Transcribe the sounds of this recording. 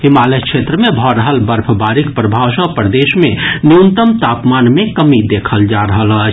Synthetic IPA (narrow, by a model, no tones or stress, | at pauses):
ɦimalekʃʰet̪ɾəmebʱɔɾəɦəlbəɾpʰəbaɾikpɾəbʱawsə̃pɾəd̪esmeniunt̪əmt̪apmanmekəmid̪ekʰəld͡ʒaɾəɦələt͡ʃʰ